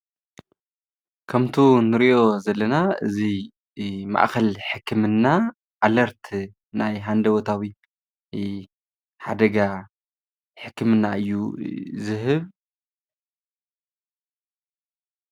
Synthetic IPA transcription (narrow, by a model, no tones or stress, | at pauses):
kʰɐmt̪ʰunɨɾiʔo̞zɐlːɐnaɨzi | ma̰ʔkɐlħɨkʰːɨmɨnːa | ʔalɐɾt̪ʰ | najɦand̪ɐwot̪ʰawi | ħad̪ɐɡa | ħɨkːɨmɨnːaʔɨjːuzɨɦɨβ